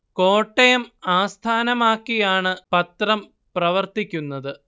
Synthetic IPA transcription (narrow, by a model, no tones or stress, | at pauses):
ko̞ːʈːɐjɐmaːst̪ʰaːnɐmaːkːijaːɳɨpɐt̪rɐm | prɐʋɐrt̪ikʲːunːɐðɨ